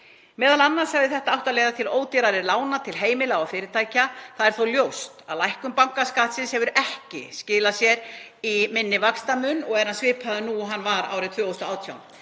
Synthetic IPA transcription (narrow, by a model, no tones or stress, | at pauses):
mɛːðalanːaɾshɛɣvðɪθɛht̪aawht̪alɛːjðat̪ʰɪloːwt̪iɾaɾɪɾlaːwnat̪ʰɪlɦeːjmɪlawafɪːɾɪɾt̪ʰaːjcaθaðɛɾ̥θowljowst̪a̰ðlajhkʏmpaŋ̥kaskaːt̪sɪnshɛvʏɾɛhcɪ̰scɪːlasjɛɾ | imɪnːɪvakst̪amʏnɔɣɛɾ̥hansvɪːpʰaðʏnuɦanːvaɾa̰ːwɾɪt̪ʰvœːowst̪ɔaːwt̪ʰjawn